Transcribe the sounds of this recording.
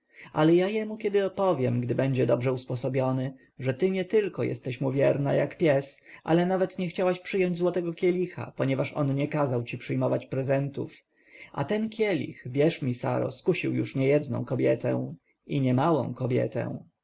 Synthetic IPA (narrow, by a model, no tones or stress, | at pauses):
ʔalɛjajɛmukʲɛd̪ɘɔpɔvʲjɛmɡd̪ɘbɛɲd͡ʑɛd̪ɔbʐɛuspɔsɔbʲjɔnɘ | ʐɛt̪ɘɲɛt̪ɘlkɔjɛ̰st̪ɛɕmuvʲjɛɾnajakpʲjɛsʔa̰lɛnavɛt̪ɲɛxt͡ɕawaɕpʂɘjɔɲd͡ʑʲzwɔt̪ɛɡɔkʲjɛlʲixa̰pɔɲɛvaʂɔ̰nɲɛkazawt͡ɕipʂɘjmɔvat͡ɕpɾɛzɛnt̪ṵf | ʔa̰t̪ɛnkʲjɛlʲḭxvʲjɛʂmʲisa̰ɾɔ̰skuɕiwjṵʂɲɛjɛd̪nɔ̰̃w̃kɔbʲjɛt̪ɛ̰̃ | iɲɛmawɔ̰̃w̃kɔbʲjɛ̰t̪ɛ̰w̃